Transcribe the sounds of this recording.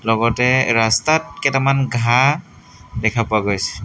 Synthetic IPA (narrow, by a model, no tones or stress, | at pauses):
lɔɡɔtɛɹastat̚kɛtamanɡʱa | dɛkʰapʊaɡojsɛ̥